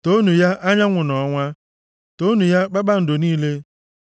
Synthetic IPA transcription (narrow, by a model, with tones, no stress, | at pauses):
to˦nu˨ja˦ʔa˦ɲa˦ŋʷʊ˨nɔ˨ŋʷa˦ | to˦nu˨ja˦k͡pa˦ɡ͡ba˦n̩˨do˨niː˦le˦